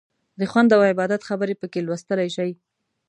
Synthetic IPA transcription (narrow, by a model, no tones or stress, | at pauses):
d̪əxwand̪awɪbɑd̪at̪xabəɾepəkelwast̪əlajʃaj